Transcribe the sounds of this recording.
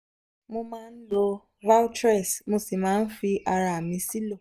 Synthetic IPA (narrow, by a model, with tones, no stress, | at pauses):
mʊ˦ma˦n̩˦lo˦ | va˦wtɾɛ˨smʊ˦si˨ma˨˦n̩˦fi˦ʔa˨ɾa˨mi˦si˦lo˨